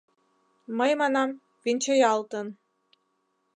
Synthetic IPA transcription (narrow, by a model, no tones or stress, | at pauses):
məjmɑnɑm | vinʲt͡ɕejɑlˠt̪ɤn